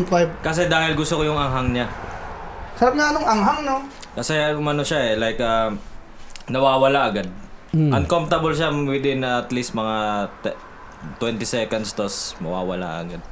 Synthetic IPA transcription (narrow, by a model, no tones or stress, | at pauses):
akɐs̬ɛd̪aːhɪlɡʊst̪okojʊŋɐŋɦaŋɲa | sɐɾab̚naɐnoŋʔɐŋɦaŋnokɐsɛʊmɐnoʃaɛlajkʔɐ | nɐwaːwɐlaʔɐɡad̪̚ʔɐnkomft̪ɐbolʃawɪd̪ɪnɐt̪list̪̚mɐŋat̪ɛ | t̪wɛnt̪ɪsɛkɐnd̪st̪osmɐ̰wa̰ːwɐla̰ʔɐ̰ɡad̪̚